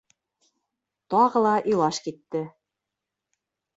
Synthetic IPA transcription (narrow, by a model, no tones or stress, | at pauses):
t̪ɑʁɤ̆lˠɑʔilˠɑʃkit̪ːɘ